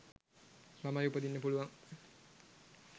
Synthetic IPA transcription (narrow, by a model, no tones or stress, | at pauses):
mamajupəd̪inːəpuluʋaŋ